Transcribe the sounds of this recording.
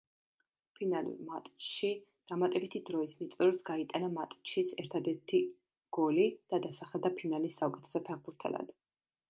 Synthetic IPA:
pʰinalṵɾmat̪ʼt͡ʃʃi | d̪̥amat̪ʼɛbit̪ʰid̪ɾɔismit̪sʼɾɔsɡait̪ʼanamat̪ʼt͡ʃʰit̪sʰɛɾt̪ʰad̪ɛɾt̪ʰi | ɡ̥ɔlid̪̥ad̪asaχɛd̪apʰinalisːaukʼɛt̪ʰɛ̥sɛpʰɛʁbuɾt̪ʰɛ̰la̰d̪̥

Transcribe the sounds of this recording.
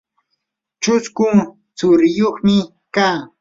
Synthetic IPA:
t͡ʃʊskʊŋ | t͡sʊɾɪjoχmɪ | kaː

